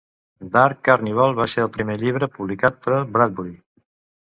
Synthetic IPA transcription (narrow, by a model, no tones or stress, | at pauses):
d̪aɾkkːaɾniβ̞ɔlˠβaseɾəlˠpɾimeʎiβ̞ɾəpuβlikat̪̚pəɾəbɾad̪̚buɾi